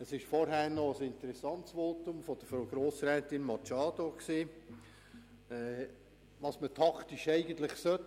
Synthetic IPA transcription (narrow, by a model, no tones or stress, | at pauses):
əsɪʃfɔɾɦæːɾnɔəsɪnt̪əɾɛsɑntsʋoːt̪ʊmfɔd̥̪əfɾoɡ̥ɾoːsɾɛːt̪ɪnmɑt͡ʃɑːd̪oksiː | ɛ | ʋɑːsmətʰɑkʰtɪʃɛɪɡənt̪lɪχsœt